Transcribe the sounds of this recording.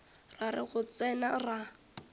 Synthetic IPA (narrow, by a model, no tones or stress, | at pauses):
raɾɪ̰ɣʊt͡sɛnara